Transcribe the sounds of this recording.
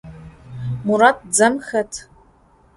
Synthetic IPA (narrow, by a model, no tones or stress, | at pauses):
muɾat̚ʰd͡zɐmxɐtʰ